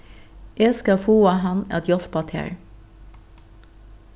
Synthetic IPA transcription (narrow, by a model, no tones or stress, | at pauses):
ʔeːskɑfuːɑhɑnɛ̰t̪jɔsbɑt̪ʰḛːɹ